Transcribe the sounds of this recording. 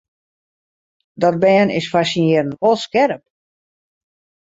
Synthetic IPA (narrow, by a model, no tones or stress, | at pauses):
dɔd̚bɛːənɪ̰sfasinɪəɾənʋolˠskɛrəp̚